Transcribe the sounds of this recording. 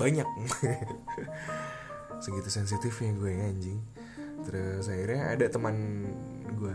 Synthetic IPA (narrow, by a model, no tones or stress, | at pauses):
baɲak̚ | səɡit̪usɛns̬it̪ɪfjaɡuaaɲd͡ʒɪŋ | t̪əɾʊsaiɾɲaa̰dat̪əman | ɡua